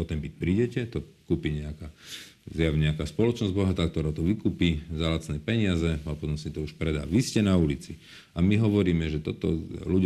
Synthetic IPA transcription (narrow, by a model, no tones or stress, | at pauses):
ɔt̪ɛmpic̚pɾiːɟɛcɛt̪ɔkuːpiɲɛakaːzjaʋɲɛakaːspɔlɔt͡ʃnɔzɟbɔɦat̪aːk̚t̪ɔɾaːt̪ɔʋikuːpiːzalat͡snɛːpɛɲɪazɛapɔt̪ɔmsit̪ɔuʃpɾɛd̪a̰ːʋiscɛnaulit͡si | amiɦɔʋɔɾiːmɛʒɛt̪ɔt̪ɔ̰luɟ